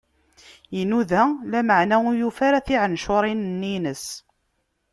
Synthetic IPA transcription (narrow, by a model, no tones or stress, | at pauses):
jinuðælæməʕnæʊjufaɾaθiʕənʃʊɾˤinənːinəs